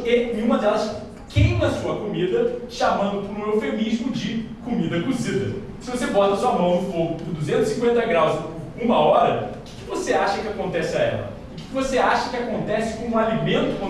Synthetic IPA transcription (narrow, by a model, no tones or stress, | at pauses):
enẽũmɐd̪ɛlɐs | kejmɐ̃suɐkomid̪ɐʃamɐ̃nd̪ʊpʊɾoɾofemiʒmʊd͡ʒɪkomid̪ɐɡuzid̪ɐ | sɪvosebɔt̪ɐsuɐmɐ̃w̃nʊfoɡʊpʊɾd̪uzẽnt̪ʊzɪsĩkwẽnt̪ɐɡɾawz | ũmɐɔɾɐkɪ̥kɪvoseaʃɐkɪakõnt̪ɛsɪaɛ̰lɐ̰ | ʊkɪ̥kɪvoseaʃɐkɪakõnt̪ɛsɪ̥kõũalimẽnt̪ʊ̥kõ